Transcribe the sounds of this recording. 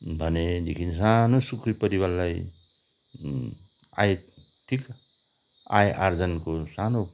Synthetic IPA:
bʱʌned̪ikʰins̬anosukʰɾipʌɾiwalːaj | a̰j | t̪ʰik | a̰jʔaɾd͡zʌnkosano

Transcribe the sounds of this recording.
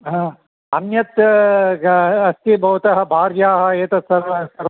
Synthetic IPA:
ɦɐ̃ | ɐnjɐt̪ | ɐst̪ibʱɐʋut̪ɐɦɐ̆bʱaːɾjaːɦɐ̆eːt̪ɐsɐɾɐsɐɾ

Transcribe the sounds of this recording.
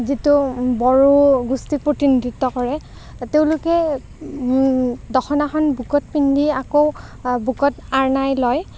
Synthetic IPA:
zitubɔɹuɡustik̚pɹotinidʱitːɔkɔɹɛ | teʊ̃lʊkɛ | dɔxʰɔnaxɔnbʱukɔt̚pindʱiakow | bʱukɔtaɹnajlɔj

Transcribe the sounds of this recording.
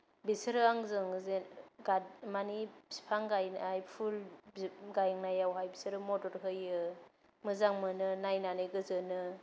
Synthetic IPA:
bisɯɾɯaŋzɯŋzeɡamanibsi̥pʰaŋɡajnajpʰul | ɡajŋnajawɦajbisɯɾɯmɔtɔɾɦɯjɯ | mɯzaŋmɯnɯnajnanɯjɡɯzɯnɯ

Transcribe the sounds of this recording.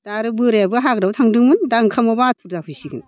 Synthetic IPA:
d̥aɾɯbɯɾjabɯɦaɡɾawtʰaŋdɯŋmɯndaŋkʰamabatʰuɾdahujsiɡɯn

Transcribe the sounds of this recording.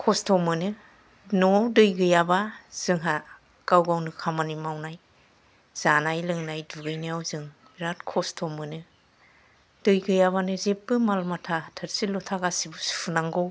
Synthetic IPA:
kʰɔstʰɔmɯnɯ | nɔwdɯjɡɯjabaz̥ɯŋɦa | kawɡawnɯkʰamanimawnaj | z̥anajlɯŋnajduɡɯjnɯjawzɯŋbɾatkʰɔstʰɔmɯnɯ | d̥ɯjɡɯjabanɯzep̚ːɯmalmatʰatʰɯɾsilɔtʰaɡasibɯsu̥pʰunaŋɡɔw

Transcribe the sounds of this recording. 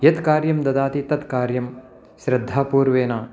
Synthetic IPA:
jɐt̪kaːɾjɐmd̪ɐd̪aːt̪it̪ɐt̪kaːɾjɐm | ʃɾɐd̪ʱːaːpuːɾʋeːnaː

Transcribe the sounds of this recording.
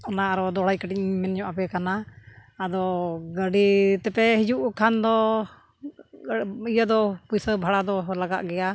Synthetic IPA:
ɔnaaɾɔd̪ɔɽajkəʈiɲmɛnɲɔʔapɛkanaː | d̪ɔɡəɖit̪ɛpɛɦid͡ʒuʔkʰand̪ɔ | ijad̪ɔpujsəbʱaɽad̪ɔlaɡa̰ʔɡɛja

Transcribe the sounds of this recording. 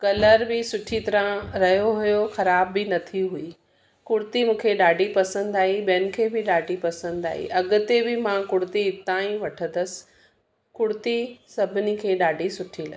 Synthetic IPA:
kɐləɾbɪsʊʈʰit̪ɐɾãɾɐɦijoɦujoxɐɾaːbːɪnɐt̪ʰiɦui | kʊɽʊt̪imũːkʰeɗaːɖʱipɐsə̃nd̪aːibɛnɪ̆kʰeːbɪɗaːɖʱipɐsə̃nd̪a̰ːɦḭʔɐɠʊ̆t̪ebɪmãkʊɽt̪iɪt̪aːĩʋɐʈʰənəsɪ̥̆ | kʊɽt̪isɐbʱɪnikʰeːɗaːɖʱisʊʈʰilɐ̰

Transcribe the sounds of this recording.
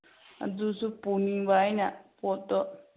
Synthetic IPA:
a̰d͡zusupunĩβainãpot̪o

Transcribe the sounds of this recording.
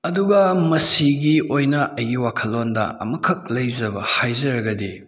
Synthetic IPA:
ɐduɡɐmɐsiɡiojnɐʔɐjɡiwakʰɐlːondɐ̰ɐ̰mɐkʰɐk̚lɐjzɐbɐ̰hajzɐɾɐɡɐdi

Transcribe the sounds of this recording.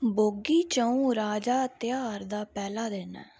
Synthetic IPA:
boːɡiːt͡ʃəũːɾaːd͡ʒaːt̪ɪjaːɾd̪aːpɛːlaːd̪eːnɛ̰ː

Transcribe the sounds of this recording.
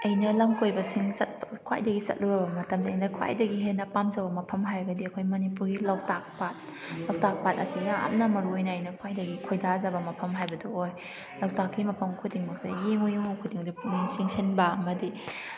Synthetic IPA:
ɐjnɐlɐmkojbɐsiŋsɐt̚bɐkʰwa̰jdɐɡisɐ̰t̚luɾɐbɐmɐtɐmziɐjnɐkʰwa̰jdɐɡiɦenɐpamzɐbɐmɐpʰɐmɦajɾɡɐdiɐkʰojmɐnipuɾɡilawtak̚pat̚ | lawtak̚pat̚ɐsiɡɐa̰m̚nɐmɐɾuojnɐːjnɐkʰwajdɐɡikʰojdazɐbɐmɐpʰɐmɦajbɐdooj | lawtakːimɐpʰɐmkʰudiŋmɐk̚sa̰jeŋojeŋowkʰudiŋdipminsiŋsinbɐɐmɐdi

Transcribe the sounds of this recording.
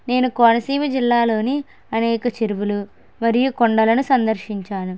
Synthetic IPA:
ne̞ːnukoːnɐsiːmɐd͡ʒilːaːlo̞ːni | ɐnɛːkɐt͡ʃeɾiʋulu | mɐɾijukoɳɖɐlɐnusɐnd̪ɐɾʃiɲt͡ʃaːnu

